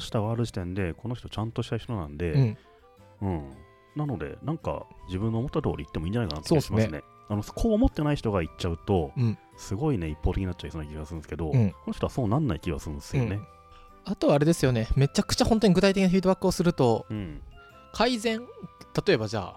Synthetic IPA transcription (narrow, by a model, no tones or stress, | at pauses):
ɕi̥t̪aɡaːɾɯ̟ʑit̪ẽ̞nd̪e̞ko̞no̞çi̥t̪o̞t͡ɕãnt̪o̞ɕi̥t̪a̟çi̥t̪o̞nã̰nd̪e̞ɯ̃ | ɯ̟̃ɴ | nano̞d̪e̞̰nãŋka̰d͡ʑibɯ̃nːoːmot̪ːat̪o̰ːɾʲḭit̪ːemiːɲ̟d͡ʑanaikanat̪ːsoːeimaasɨne̞̰ | anoskʰo̞ːmo̞t̪ːe̞naiçi̥t̪o̞ɡait͡ɕaɯ̟t̪o̞ɯ̃ | sɨɡo̞ine̞ipːot̪ekʲiinat͡ɕːaisonaikʲiɡasɨɾɯ̃d̪esɨ̥ke̞d̪õ̞ko̞no̞çʲit̪oaso̞ːnanːaikʲiɡasɨɾɯ̃nd̪esɨjoone̞ | at̪o̞aːɾe̞d̪e̞sɨjo̞ne̞me̞t͡ɕakɯ̟̥t͡ɕahõ̞nt̪oɲiɡɯ̟t̪ait̪ekʲinafiːd̪bakːɯosɨɾɯ̟t̪o̞ɯ̃ɴ | kʰaizẽ̞ŋt̪at̪o̞e̞bad͡ʑa̰ː